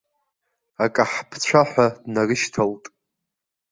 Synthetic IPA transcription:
akʼaħpʰt͡ɕʷʰaħʷadnarɨʃtʰaltʼ

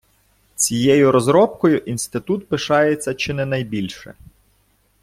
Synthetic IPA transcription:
t͡sʲijɛjʊɾɔzɾɔpkɔjʊʔinst̪ɪt̪ut̪pɪʃɑjet͡sʲːɐt͡ʃɪnɛnɐjbʲilʲʃɛ̰

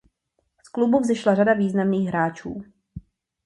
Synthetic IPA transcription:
sklubuvzɪʃlaradaviːznamniːɣɦɾaːt͡ʃṵː

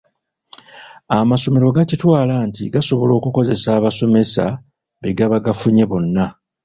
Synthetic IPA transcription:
amaso̞me̞ɾo̞ɡacitwaːlaːntiɡaso̞βo̞lo̞ːkuko̞ze̞saːβaso̞me̞sa̰ | βeɡaβaɡafuɲe̞βo̞nːa

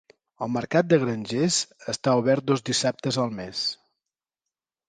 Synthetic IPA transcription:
əlˠməɾkat̪̚d̪əɣɾənʲʒezəst̪auβɛɾt̪̚d̪ozd̪isap̚t̪əzəlˠmes

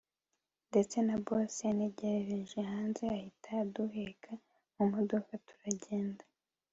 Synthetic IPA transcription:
nde̞t͡se̞naboseane̞ɟe̞ɾeɾeʒeɦaːnzeahitʰaduɦekʰa | umodokatu̥ɾaɟe̞ːnda

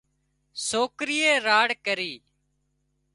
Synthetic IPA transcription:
soːkɾɪjeːɾaːɽkəɾiː

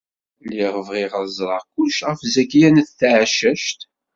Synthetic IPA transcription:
liʁəvʁiʁɑzˤɾˤɑʁkuʃʁəfzækjænθθʕʃəʃt̪

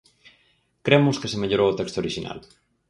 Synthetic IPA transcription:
kɾemʊskesemeʎoɾoot̪ɛkst̪ooɾiʃina̰l

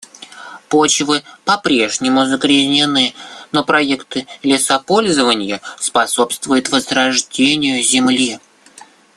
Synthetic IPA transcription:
pot͡ɕvɨpɐpɾʲe̞ʐnʲɪmʊzəɡɾʲɪzʲnʲɪnɨno̞pɾɐekt̪ɨlʲɪsɐpo̞lʲzəvənʲɪjəspɐso̞pst̪vʊjʊt̪vəzrɐʐdʲenʲɪjʊzʲɪmlʲi

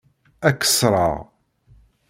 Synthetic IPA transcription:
ækːə̥sɾˤɑ̰ʁ

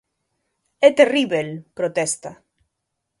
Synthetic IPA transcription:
et̪eriβelpɾot̪est̪a

